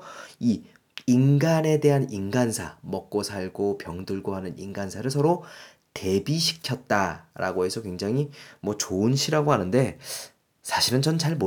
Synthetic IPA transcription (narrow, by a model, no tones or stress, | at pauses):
iː | nɡane̞de̞ɦaninɡansʰa̰mʌk̚k͈osʰaɭɡopjʌŋdɯɭɡoɦanɯnḭnɡansʰaɾɯɭsʰʌɾo | te̞biɕʰi̥kʰjʌt̚t͈aɾa̰ɡoɦe̞sʰʌkwe̞ŋd͡ʑaŋɦimwʌt͡ɕoɯnɕʰiɾaɡoɦanɯnde̞ | sʰaɕʰiɾɯnt͡ɕʌnt͡ɕaɭmo